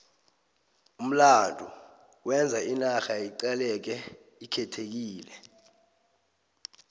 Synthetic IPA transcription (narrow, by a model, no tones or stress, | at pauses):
um̩landʱu | wɛnd͡zʱainaxaiǃɛlɛk̬ɛ | ikʰɛtʰek̬iːlɛ